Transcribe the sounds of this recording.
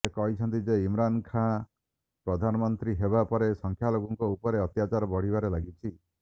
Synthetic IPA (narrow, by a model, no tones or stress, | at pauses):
ekɔɦit͡ʃʰɔnt̪id͡ʒeimɾankʰã | pɾɔd̪ʱanɔmɔnt̪ɾiɦebapɔɾesɔŋkʰjaloɡɔŋkɔupɔɾeɔt̪jat͡ʃaɾɔbɔɽ̤ibaɾelaɡit͡ʃʰi